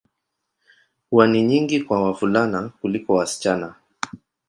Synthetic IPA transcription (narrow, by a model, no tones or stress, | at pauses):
uaniɲiŋɡikwawavulanakulikɔwasi̥t͡ʃana